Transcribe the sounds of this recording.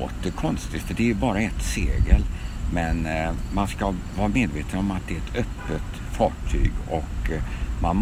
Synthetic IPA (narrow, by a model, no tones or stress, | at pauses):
t̪əkʰɔnst̪ɪɡt̪d̪ɛæjɵbɑːɾaɛt̪sḛːɡəlmɛnmanskavɑːɾameːd̪veːt̪ʰənɔmat̪̚d̪ɛæɛt̪ʰœpːət̪ | fɑːʈʰy̰ːɡɔkman